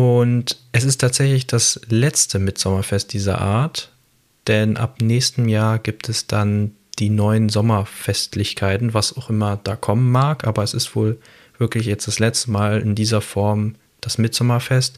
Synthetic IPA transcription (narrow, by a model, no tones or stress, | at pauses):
ʔʊntʔɛsɪstʰaːtz̥ɛçlɪçd̥aslɛt͡stʰəmɪtz̥ɔmɐfɛst̚d̥iːzɐ̰ʔa̰ːɐt | d̥ɛnʔa̰pnɛːçstn̩jaːɐɡiːp̚tʰɛsd̥an | d̥iːnɔʏənzɔmɐfɛstʰlɪçkʰaɪtn̩vasaʊxʔɪmɐd̥aːkʰɔmənmaːɐkʔaːbɐɛsɪstv̥oːl | v̥ɪɐklɪçjɛt͡std̥aslɛt͡stəmaːlɪ̰ndiːzɐfɔɐm | d̥asmɪtz̥ɔmɐfɛst